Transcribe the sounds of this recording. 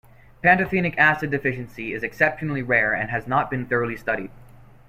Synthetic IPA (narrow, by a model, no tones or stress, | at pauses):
pʰæ̃ntɨθĩnɨkæsɨdɨfɪʃɨ̃n̩siɪzɨksɛpʃɨnl̩ˠiɹɛɹɨ̰̃nɨznət̚b̥ɨ̃nθɜ˞lˠistʌɾid̥̚